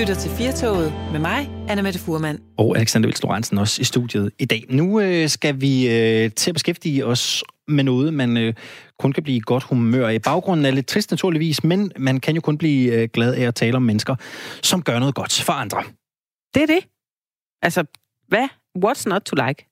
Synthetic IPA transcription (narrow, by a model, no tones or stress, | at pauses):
yɾ̥ɐt͡sʰe̝lfiɐt͡sʰɔ̰ʊð̩ˠmemɑ̈ɪʔænəmed̥əfuɐmæn̰ | ɒʊæleɡsænd̥ɐʋḭlslo̝ʁɑ̈nsn̩ɒ̽sisd̥ṵðˠjəð̞̩ˠid̥ɛ̰ːnuøsɡ̥æʋiøt͡sʰe̝æb̥esɡefd̥iːɒ̽smenɔ̽ːð̞̩ˠmænøkʰɔ̽nkʰæb̥liːɡ̥ɒ̽d̥humø̰ɐ̰ib̥ɑ̈ʊɡ̥ʁɔ̽n̰n̩æɐle̝d̥̚t͡sʰʁisd̥næt͡sʰuɐliʋḭːsmenmænkʰænjo̝kʰɔ̽nb̥liːøɡ̥lɛð̞ˠæɒ̽t͡sʰɛːləɒ̽mːenəsɡ̥ɐsɒ̽mɡ̥ɶɐnɔ̽ːð̞̩ˠɡɒ̽d̥fɒ̽ɑ̈nd̥ʁɐ | d̥e̝æɐd̥e̝ | ʔælsə | ʋæ | wɒd̥snɒd̚ʰulaɪk